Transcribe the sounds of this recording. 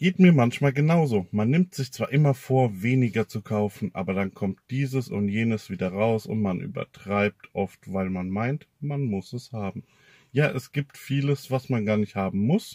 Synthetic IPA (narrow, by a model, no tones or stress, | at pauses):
ɡ̥eːtmiːɐmançmaːlɡənaʊzoːmanːɪmtz̥ɪçt͡sv̥aːʔɪmɐfoːɐveːnɪɡɐt͡sukʰaʊfn̩ʔa̰ːbɐɾankʰɔmt̚d̥iːzəsʊ̰ntjeːnəsv̥iːdɐʁaʊsʊ̰ntmanʔy̰ːbɐ̰tʁ̥aɪp̚tʰʔɔftv̥aɪlmanmaɪntmanmʊsɛshaːbm̩ | jaːʔɛsɡ̥iːp̚tfiːləsv̥asmanɡaːɐnɪçthaːbm̩mʊs